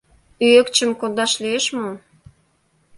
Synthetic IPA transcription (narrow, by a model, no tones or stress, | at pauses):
yekt͡ɕə̆mkond̪ɑʃlieʃmo